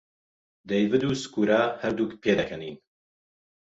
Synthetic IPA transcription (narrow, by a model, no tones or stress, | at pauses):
d̪ejvɨd̪uːskuːɾaːhɐɾd̪uːkpʰeːd̪ɐkʰɐniːn